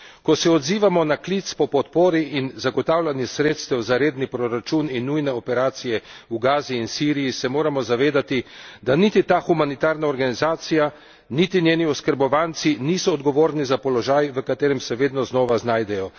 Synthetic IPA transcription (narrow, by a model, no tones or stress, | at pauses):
kɔsɛɔd̪ziːʋamɔnaklit̪spɔpɔt̪poːɾiʔinzaɡɔt̪aːwlʲanjɛsɾeːt̪st̪ɛwzaɾeːd̪nipɾɔɾat͡ʃuninːujnɛɔpɛɾaːt̪sijɛ | uɡaːziːnsiːɾijisɛmoːɾamɔzaʋeːd̪at̪id̪anit̪it̪aːxumanit̪aːɾnaɔɾɡanizaːt̪sija | nit̪inʲjeːniɔskəɾbɔʋant̪siniːsɔːd̪ɡɔʋoːɾnizapɔlɔʒaːjʋəkat̪eːɾɛmsɛʋeːd̪nɔznɔːʋaznaːjd̪ɛjɔ